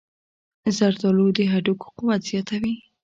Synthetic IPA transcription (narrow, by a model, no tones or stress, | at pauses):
zaɾd̪ɑlod̪əɦaɖuko̥qʊwat̪z̥jɑt̪awi